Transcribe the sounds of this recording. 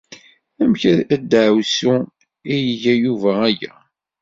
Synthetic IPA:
æmçæɾæd̪ʕwsu | ijəʝæjuvææjæ̰

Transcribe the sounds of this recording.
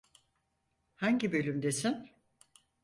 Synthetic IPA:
haɲɟibø̞lʲymd̪e̞sin

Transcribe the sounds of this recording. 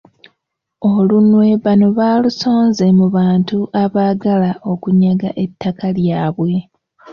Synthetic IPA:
olunwe̞βano̞βaːluso̞ːnze̞muβaːntuʔaβaːɡalaʔo̞kuɲaɡaʔe̞tːakaljaːβwe̞

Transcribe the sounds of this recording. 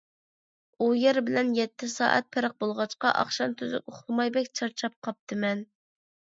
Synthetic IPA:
ujɛɾbɪlɛnjɛt̪ʰːɪsɑ̰ːʔɛ̰t̪̚pʰɪɾəq̚bolˠʁɑt͡ʃqɑʔɑ̰χʃɑnt̪ʰyzy̰koχlˠɨmɑjbɛkʲt͡ʃʰɑɾt͡ʃʰɑp̚qʰɑp̚t̪ʰɨmɛn

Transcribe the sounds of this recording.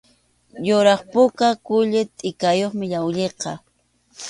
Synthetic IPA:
jʊɾɑχpʊkakʊʎɪt̪ʼɪkajoχmɪʎawʎeqɑ

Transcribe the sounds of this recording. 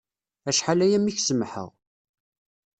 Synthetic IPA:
æʃħalæjæmːiçsəmħə̰ʁ

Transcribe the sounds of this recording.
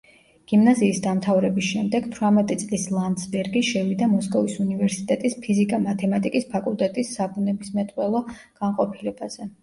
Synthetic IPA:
ɡ̥imnaziːsd̪amt̪ʰavɾɛbisʃɛmd̪ɛɡ̥t̪ʰvɾamɛt̪ʼit̪sʼlislˠand̪sbɛɾɡiʃɛvid̪amɔskʼɔvisunivɛɾsit̪ʼɛt̪ʼispʰizikʼamat̪ʰɛmat̪ʼikʼispʰakʼulˠt̪ʼɛt̪ʼisːabunɛbismɛt̪ʼqʼwɛlˠɔɡ̥anqʼɔpʰilɛbaz̥ɛ

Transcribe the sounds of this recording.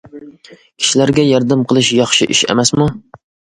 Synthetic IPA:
kʲʰi̥ʃilæɾɡʲɛjɑɾd̪ɪmqʰəlˠɨʃjɑχʃiʔiʃḛmɛsmu

